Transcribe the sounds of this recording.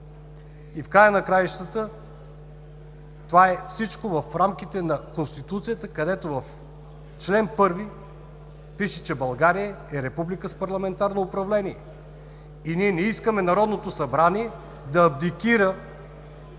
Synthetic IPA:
ifkɾajənɐkɾajʃt̪ət̪ə | t̪ovaɛfsit͡ʃkovɐfɾamk̟it̪ɛnɐkonst̪it̪ut̪sijət̪əkɐd̪ɛt̪ovɐf | t͡ʃlɛnpɤɾvi | piʃɛt͡ʃɛbɐlˠɡaɾijə | ɛɾɛpublikəspɐɾlˠɐmɛnt̪aɾnoːpɾɐvlɛniɛ | iniɛnɛiskəmɛnɐɾɔd̪not̪osɐbɾaniɛ | d̪ɐːb̚d̪ikʲiɾə

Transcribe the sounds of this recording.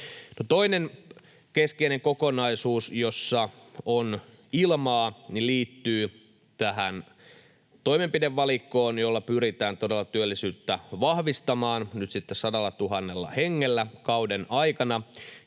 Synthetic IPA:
not̪o̞inen | keskeineŋkokonɑisuːsjo̞sːɑ | on | ilmɑːniliːt̪ːyː | t̪æɦæn | t̪o̞ime̞mpideʋːɑlikːoːnjolːɑpyɾit̪æːnt̪odelːɑt̪yølːisyːt̪ːæʋɑhʋist̪ɑmɑːnnyt̪sit̪ːessɑdɑlːɑt̪uɦɑnːelːɑ̰heŋːelːækɑudenɑikɑnɑ

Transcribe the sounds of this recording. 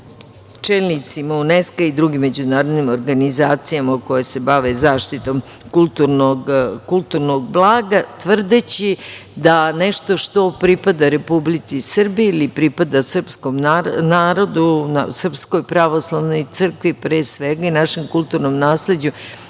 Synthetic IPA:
t͡ʃelnit̪simauneskaid̪ɾuɡimːed͡ʑunaːɾo̞d̪nimo̞ɾɡanizaːt̪sijamauko̞jese̞baʋezaːʃt̪it̪o̞m | kulˠt̪uɾnoɡkulˠt̪uɾnoɡ̚blˠaːɡat̪ʋr̩d̪et͡ɕid̪aneʃt̪o̞ʂt̪o̞pɾipad̪aɾe̞publit̪sisr̩bieilipɾipad̪asr̩psko̞mnanaːɾo̞d̪unasr̩psko̞jpɾaʋo̞slˠaʋno̞jt̪sɨr̩kʋipɾeːsʋeɡainaʃe̞mkulˠt̪uɾnomnaːsle̞d͡ʑu

